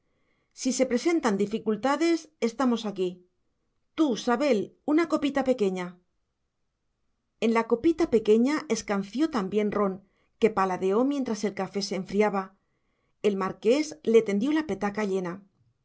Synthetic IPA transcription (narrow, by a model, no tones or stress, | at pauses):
sise̞pɾe̞se̞nt̪and̪ifikult̪aðe̞se̞st̪amo̞saki | t̪usaβe̞lunako̞pit̪ape̞ke̞ɲa | e̞nlako̞pit̪ape̞ke̞ɲae̞skan̟θjo̞t̪ambje̞nro̞n | ke̞palaðe̞o̞mje̞nt̪ɾase̞lkafe̞seːɱfɾiaβa | e̞lmaɾke̞sle̞t̪e̞nd̪jo̞lape̞t̪akaʎe̞na